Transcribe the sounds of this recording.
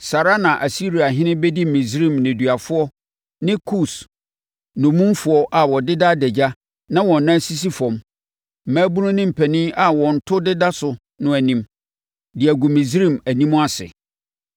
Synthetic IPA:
sa˨ɾa˦nã˨ʔæ˨si˦ɾi˨a˨ɦɪ̃˦nɪ̃˦bɛ˦di˦mĩ˨zɾĩ˦˨mnɪ̃˨dɥa˨fʊ˦ɔ˦ | nɪ̃˦kʰu˦˨s | nʊ̃˨mũ˦mfʊ˨˦ɔ˦ʔa˨wɔ˨dɪ˦da˦dɛ˨d͡ʑa˦ | nã˦wɔ̃˨nː˨˦ã˦si˦s̬i˦fɔ̃˨m | m̩˨mæ̃ː˦bũ˦nʊ̃˦nɪ̃˦m̩˨pʰæ˨nɪ̃˦a˨wɔ̃˨n̩˨tʰʊ˦dɪ˦da˦sʊ˨ | nʊ̃˨æ˨nĩ˦m | dɪ˨æ˨ɡu˨mĩ˨zɾĩ˦˨mæ˨nĩ˦mʊ̃˦a˦sɪ̰˨

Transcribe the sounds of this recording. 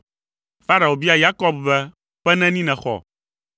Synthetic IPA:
fa˦ɾa˨o˨bi˦a˨ja˦kɔ˦bbɛ˦ | ɸɛ˦nɛ̃˦nĩ˦nɛ̃˨xɔ̰˨

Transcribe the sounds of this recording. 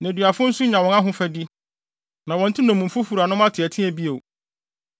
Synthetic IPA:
næ̃˨dɥa˨fʊ̃˦n̩˦sʊ˦ɲã˨wɔ̃˨nã˦ɦʊ̃˦fɛ˦di˦ | nã˨wɔ̃˨n̩˦tʰɪ˦nɔ̃˨mũ˨m̩˨fʊ˦fu˨ɾa˨nʊ̃˦mã˦tʰɪ˨ɛ˨tʰɪ̃˦æ˨bi˦o˨

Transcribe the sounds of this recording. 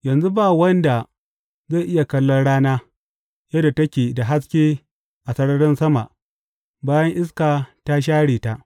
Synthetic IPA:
jɐ˨nzu˦baː˦˨wɐ˦nda˨ | za˦˨jʔɪ˦ja˨kɐ˦lːɔ˦nɽaː˦naː˦ | jɐ˦da˨tɐ˦kʲeː˨da˨ɦa˦s̬kʲeː˦ | ʔa˨sɐ˦ɽɐ˦ɽɪ˦nsɐ˦ma˨ʔ | baː˦jɐ˦ŋʔɪ˦s̬kaː˨ta˦ʃ̬aː˦ɽeː˨ta˦ʔ

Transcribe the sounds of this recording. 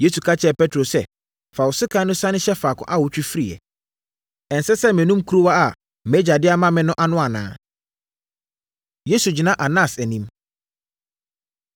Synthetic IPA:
je˦su˨kʰa˦t͡ɕʰɛ˨pɛ˦tʰɾo˨sɛ˦˨ | fa˨wʊ˨sɪ˦kʰã˦nʊ̃˦sã˦nɪ̃˦ɕɛ˦faː˨kʰʊ̰̃˨˦ʔa˦wʊ˨˦t͡ɕᶣi˦fi˦ɾi˨ɛ̰˨ | ɛ˨n̩˨sɛ˦sɛ˦mɪ̃˨nũ˦mkʰɾo˦wa˦a˨ | mɛ˦d͡ʑa˨dɪ˦a˦mã˦mɪ̃˦nʊ̃˦ʔa˦nʊ̃˦a˨nã̰ː˨˦ | je˦su˨d͡ʑi˨nã˦ʔa˨nã˦˨sæ˨nĩ˦m

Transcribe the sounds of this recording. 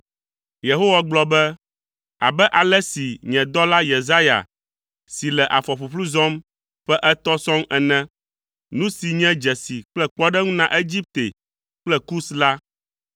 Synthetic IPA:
je˨ɦo˦wa˦ɡ͡blɔ˦bɛ˦ | a̰˨bɛ˦ʔa˨lɛ˦si˨ɲɛ̃˨d̪ɔ˦la˦je˨za˦ja̰˨ | si˨lɛ˨ʔa˨fɔ˨ɸu˨ɸlu˦zɔ̃˦m | ɸɛ˦ʔɛ˦t̪ɔ˦sɔ̃˦ŋɛ˨nɛ̃˦ | nũ˦si˨ɲɛ̃˦d͡ʒɛ˨si˨k͡plɛ˦k͡pɔ˦ɖɛ˦ŋũ˦nã˨ʔe˦d͡ʑi˦p̚t̪ḛ˨ | k͡plɛ˦ku˦sla˦

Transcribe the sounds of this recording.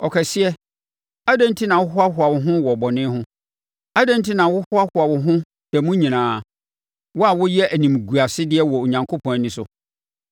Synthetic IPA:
ɔ˨kʰɛ˨sɪ˦ɛ˦ | a˦dɛ̃˦n˦tʰi˦nã˨wʊ˦ɦʊ˦a˦ɦʊ˨a˨wʊ˨ɦʊ̃˦wɔ˨bɔ˨nɪ̃˦ɦʊ̃˦ | a˦dɛ̃˦n˦tʰi˦nã˨wʊ˦hʊ˦a˦hʊ˨a˨wʊ˨ɦʊ̃˦ | d̥ɛ˨mũ˦ɲĩ˨nãː˨˦˨ | wʊ˦a˦˨wʊ˦jɛ˦ʔæ˨nĩ˨mɡu˨a˨sɪ˦dɪ˦ɛ˦wɔ˨o˨ɲã˨ŋkʰo˦pʰɔ̃˨n˨nɪ̃˨sʊ̰˨

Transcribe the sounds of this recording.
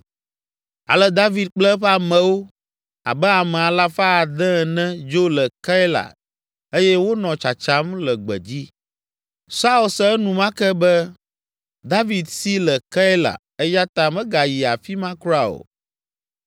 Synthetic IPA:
a̰˨lɛ˦d̪a˦vi˨d̪̚k͡plɛ˦ɸa˨mɛ̃˨wo˦ | a̰˨bɛ˦a˨mɛ̃˨a˨la˦fa˦˨d̪ɛ̃˦˨nɛ̃˦d͡ʒo˦lɛ˨ka˦ɛ˦la̰˨ | e˦jɛ˦wo˦nɔ̃˨t͡ʃa˨t͡ʃa˦mlɛ˨ɡ͡bɛ̰˨d͡ʑi˦ | sa˦u˨lsɛ˦ɛ˦nũ˨mã˦kɛ˦bɛ˦ | d̪a˦vi˨d̪si˦lɛ˨ka˦ɛ˦la̰˨ | ɛ˦ja˦t̪a˨mɛ̃˦ɡa˨ji˨a˨fi˦mã˦ku˦ɾa˦o̰˨

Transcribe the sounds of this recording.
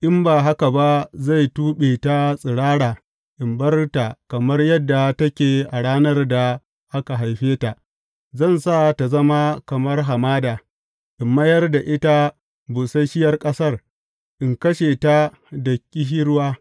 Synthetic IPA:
ʔɪ˦mbaː˨ɦa˦ka˨ba˦za˦˨jtuː˦ɓeː˨ta˦sʼɪ˨ɽaː˦ɽaː˨ | ʔɪ˨mbɐ˦rta˨kɐ˨mɐ˦rjɐ˦dːa˨tɐ˦kʲeː˨ʔa˨ɽaː˦nɐ˦rda˨ | ʔa˦ka˨ɦa˨jɸeː˦ta˨ʔ | zɐ˦˨nsa˦˨ta˨zɐ˦ma˦kɐ˨mɐ˦rɦa˨maː˦daː˨ | ʔɪ˨mːɐ˦jɐ˦rda˨ʔɪ˦ta˦ | bʊ˨sa˦jʃɪ˦jɐ˦rkʼɐ˦sɐ˦r | ʔɪ˨ŋkɐ˦ʃeː˨ta˦ | dɐ˨kʲʼːɪ˦ɦɪ˦ɽwaː˦

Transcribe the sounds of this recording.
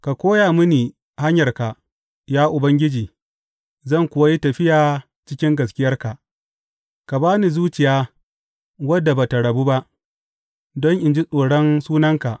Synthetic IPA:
ka˨kʷoː˦jaː˨mʊ˦niː˨ | ha˦ɲjɐ˨rka˨ | jaː˦ʔʊ˨bɐ˦ŋɡʲɪ˦d͡ʒiː˨ | zɐ˦˨ŋkʷʊ˨wa˦ji˦tɐ˨ɸɪ˦jaː˨ | t͡ʃɪ˦kʲɪ˦ŋɡɐ˨skʲɪ˦jɐ˦rka˨ʔ | ka˨baː˦ni˨zuː˦t͡ʃɪ˨jaː˦ | wɐ˦dːa˨ba˨ta˨ɽɐ˨bu˦ba˦ʔ | dɔ˦ŋʔɪ˨nd͡ʒi˦sʼoː˨ɽɔ˦nsuː˦nɐ˦ŋka˨ʔ

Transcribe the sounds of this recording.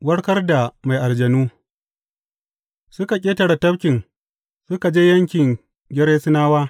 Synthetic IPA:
wɐ˦ɽkɐ˦rda˨ma˨jʔa˨ld͡ʒɐ˨nuː˦ | sʊ˦ka˨kʲʼeː˦tɐ˨ɽa˨tɐ˦bkʲɪ˨ŋ | sʊ˦ka˨d͡ʒe˦jɐ˦ŋkʲɪ˨ŋ | ɡʲɪ˦ɾeː˦sɪ˦naː˦waː˦

